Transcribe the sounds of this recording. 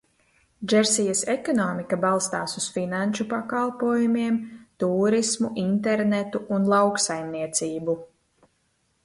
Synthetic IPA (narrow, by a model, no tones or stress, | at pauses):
d͡ʒɛɾsijɐsɛkɔnɔːmikabalˠst̪aːsusfinanʃupakalˠpuɔjumiɛmt̪uːɾismuʔint̪ɛɾnɛt̪uʔːnlˠawksajmniɛt̪siːbu